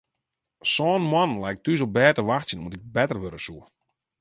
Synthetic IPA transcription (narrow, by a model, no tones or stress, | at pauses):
sɔːnmwanlɛjk̚tyzobɛːtəʋaxtsjənumtɪk̚bɛtərʋøɾəsuə